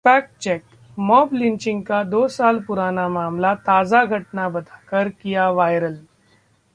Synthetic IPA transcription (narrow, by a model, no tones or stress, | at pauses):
fæk̚t͡ɕɛk | mɔblint͡ɕiŋɡkad̪osalpuɾanamamlat̪ad͡zaɡʱəʈnabəd̪ʱakəɾkijaʋajɾəl